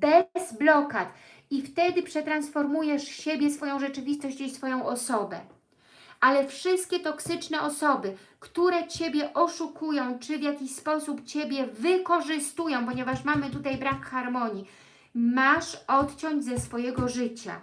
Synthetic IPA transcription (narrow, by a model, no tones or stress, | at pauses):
bɛzblɔkat̪ | ift̪ɛd̪ɘpʂɛt̪ɾansfɔɾmujɛʂɕebʲjɛsfɔjɔ̃w̃ʐɛt͡ʂɘvʲist̪ɔɕt͡ɕisfɔjɔ̃w̃ʔɔsɔbɛ̰ | ʔalɛfʂɘst̪̚kʲɛt̪ɔksɘt͡ʂnɛʔɔsɔbɘ | kt̪uɾɛt͡ɕebʲjɛʔɔʂukujɔ̃w̃t͡ʂɘvjakʲiɕspɔsupt͡ɕebʲjɛvɘkɔʐɘst̪ujɔ̃w̃pɔɲɛvaʂmamɘt̪ut̪ajbɾakxaɾmɔɲi | maʂɔt̪t͡ɕɔɲd͡ʑzɛsfɔjɛɡɔʐɘt͡ɕa̰